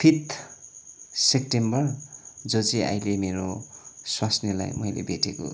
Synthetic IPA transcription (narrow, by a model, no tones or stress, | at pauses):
p̪ʰit̪ | sek̚ʈembʌrd͡zot͡sia̰jlemeɾoswasnila̰jmʌjlḛbʱeʈeko̰